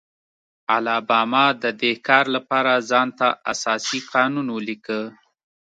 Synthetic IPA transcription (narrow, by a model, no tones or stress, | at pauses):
alɑbɑmɑd̪əd̪ehkɑɾlapɑɾazɑnt̪aa̰sɑsiqɑnunwəlikə